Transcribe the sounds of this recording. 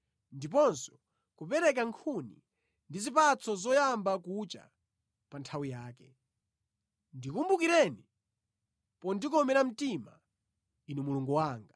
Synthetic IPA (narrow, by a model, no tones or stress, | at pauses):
ndip̬ɔnsɔ̥ | kupɛɾɛk̬aŋkʰunḭ | ndizipat͡sʰɔzɔjambakut͡ʃa̰ | pantʰawijaːkɛ | ndikumbukiɾɛni | pɔndikɔmɛɾam̩tima | inumuluŋɡuwaːŋɡa